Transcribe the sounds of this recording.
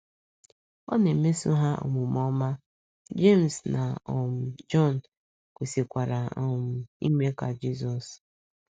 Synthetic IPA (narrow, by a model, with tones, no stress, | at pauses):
ɔ̰˦ne˨m̩˦me˦su˦ɦa˦ʔo̰˨mʊ˨m˨ɔ˦ma˦ | d͡ʒe˦˨m̩˨sna˨ɔ˨m̩˨d͡ʒɔ˦˨n˨ | kʷe˨si˨kʷa˨ɾa˨ɔ˨m̩˨ḭ˦me˦ka˨d͡ʒi˦z̬ɔ˨s